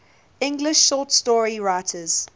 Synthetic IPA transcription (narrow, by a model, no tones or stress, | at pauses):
ɪ̃ŋɡlɪʃːɔtstɔɹiɹaɪtʰəz̥